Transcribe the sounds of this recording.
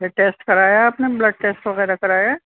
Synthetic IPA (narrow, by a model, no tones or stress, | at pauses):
eʈeːsʈkɐɾaːjaaːpneblɐɖ̚ʈeːsʈʋɐɣɛːɾakɐɾaːja